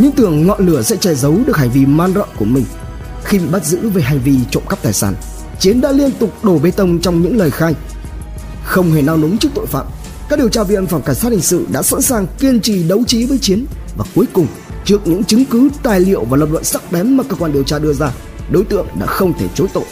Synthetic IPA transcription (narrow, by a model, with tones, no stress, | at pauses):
ɲɨ˧˥ŋt̪ɨ˨˩əŋŋɔ̰˧˨nlɨ˧˩əsɛ̰˧˥t͡ɕɛ˧˩zə˨˦wɗɨ˨˩ək̚ha˨˩ŋ̟vi˧maː˧nzə̰ː˧˨nku˧˩əmï˨˩ŋ̟ | xi˧i˨˩ɓa˦˥t̚zɨ̰˧˥ve˨˩ɦa˧˩jŋ̟vi˧t͡ɕo̰˧˨mkə˦˥p̚t̪aː˨˩jsaː˧˩n | t͡ɕi˨˦ənɗa̰ː˧˥li˧ənt̪ʊ˨˩k͡p̚ɗo˧˩ɓe˧t̪ə˧wŋ͡mt͡ɕɔ˧wŋ͡mɲɨ̰˧˥ŋləː˨˩jxaː˧j | xə˧wŋ͡mhe˧˩naː˧wnʊ˨˦ŋ͡mt͡ɕɨ˦˥ək̚t̪o̰˧˨jfa̰ː˧˨m | ka˦˥ɗi˨əwt͡ɕaː˧vi˧˨ə˧nfaː˧˩ŋ͡mka˧˩ŋ̟saː˦˥t̚hi˨˩ŋsɨ̰˧˨ɗa̰ː˧˥sa̰˧˥nsaː˨˩ŋki˧ənt͡ɕi˧˩ɗə˨˦wt͡ɕi˨˦vəː˨˦jt͡ɕi˨˦ənvaː˨˩ku˨˦əjkʊ˨˩ŋ͡m | t͡ɕɨ˦˥ək̚ɲɨ̰˧˥ŋt͡ɕɨ˨˦ŋkɨ˨˦t̪aː˨˩jlḭ˧˨əwvaː˨˩lə˨˩p̚lwa̰˧˨nsa˦˥k̚ɓɛ˨˦mːaː˨˩kəː˧kwaː˧nɗi˨˩əwt͡ɕaː˧ɗɨ˧əzaː˧ | ɗo˨˦jt̪ɨ̰˧˨əŋɗa̰ː˧˥xə˧wŋ͡mt̪ʰe˧˩t͡ɕo˨˦jt̪o̰˧˨ʔ